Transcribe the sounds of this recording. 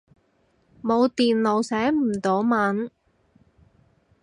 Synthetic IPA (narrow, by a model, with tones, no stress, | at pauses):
mo˨˧wt̪iː˨nlo˨˧wsɛː˨˥m̩˨˩t̪o˨˧wmaː˨˥n